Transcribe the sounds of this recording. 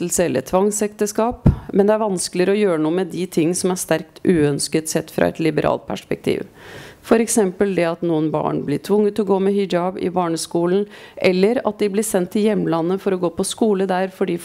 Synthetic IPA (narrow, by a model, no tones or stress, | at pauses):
lsəɛlːə̰ɾt̪ʰʋɑŋsɛkt̪əskɑːpmɛnd̪ɛæɾʋɑnsklɪɾɔjøːɾənuːəmɛd̪ɪt̪ʰɪŋːsɔmæʂt̪æɾkt̪ʔʉːœnskət̪sɛt̪ːfɾɑ̰ɛ̰t̪lɪbəɾʔɑ̰ːlt̪̚pʰæ̰ʂpɛk̚t̪ʰḭːʋfɔɾɛksɛmpəld̪ɛɑt̪nuːənbɑ̰ːɳblɪʈʰʋʊŋːət̪ɔɡoːmɛhʏd͡ʒɑbɪ̰bɑːɳəskuːln̩ʔɛlːəɾɑ̰t̪̚d̪ɪblɪsɛnt̪ʰːɪljɛmːlɑnːəfɔɾɔɡoːpɔskuːləd̪æɾfɔɖiː